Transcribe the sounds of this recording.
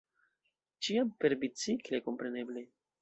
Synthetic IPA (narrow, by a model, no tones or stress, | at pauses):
t͡ʃiampe̞ɾbit͡sikleko̞mpɾe̞ne̞ble